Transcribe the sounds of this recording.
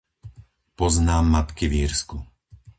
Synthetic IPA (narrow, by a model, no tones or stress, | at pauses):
pɔznaːmːat̪kiʋiːɾsku